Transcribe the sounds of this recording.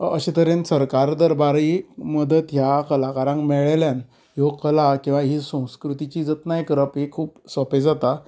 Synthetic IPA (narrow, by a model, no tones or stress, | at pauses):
əɕet̪əɾensəɾkaɾd̪əɾbaɾiməd̪ət̪jakəlakaɾãɳɡmɛɭeljan | jokəlakĩw̃ʋaɦisə̃w̃skɾut̪it͡ɕiːd͡zət̪najkɾəpɦekʰuːpsəped͡zat̪a